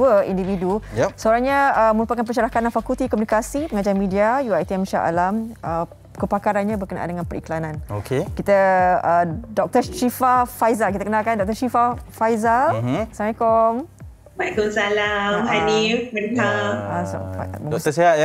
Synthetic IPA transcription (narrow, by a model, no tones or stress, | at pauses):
əḭndividujɛsəoɾaŋɲaəməɾupakanpəʃaɾakananfakult̪ikɔmunikasipəŋad͡ʒaɾanmĩdiajuajt̪iɛmʃa̰ʔa̰lamʔə | kəpakaɾanɲãbərkənaʔa̰ndəŋãnpəɾiklanãnokʰekit̪aədɔk̚t̪əʃifafajzalkit̪akənalkandɔk̚t̪əʃifafajzalsamajkɔm | bakɔmsalamaniənkaasa̰ət̪əsiaj